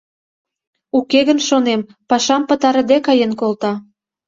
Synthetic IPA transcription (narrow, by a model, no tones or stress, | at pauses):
ukeɣə̆nʃonem | pɑʃɑmpə̆t̪ɑɾə̆d̪ekɑjenkolt̪ɑ